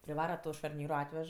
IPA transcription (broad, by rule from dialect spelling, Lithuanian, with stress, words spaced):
pʲrʲɪˈʋɑːrɐ ˈtoː ʃɐrʲˈnʲiːroː ˈɑːtʲʋʲɛʃ